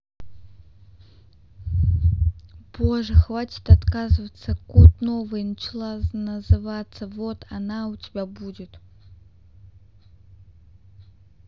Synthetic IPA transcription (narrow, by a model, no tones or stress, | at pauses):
b̥oʐɨxvatʲɪ̥t̪ɐt̪kazɨvət̪səkut̪novɨjnət͡ɕɪlˠanəzɨvat̪səvot̪ʰɐnautʲɪbʲabudʲɪt̪